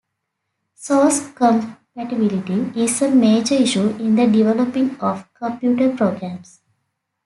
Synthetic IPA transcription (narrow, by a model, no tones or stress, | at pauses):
sɔːskɔ̃mpæʈɪbɪlɪʈiɪzəmeːd͡ʒəɾɪʃuɪ̃nd̪əɖiʋɛləpɪ̃ŋɔːʋkə̃mpjuːʈəɾpɾoːɡɾæ̃ːms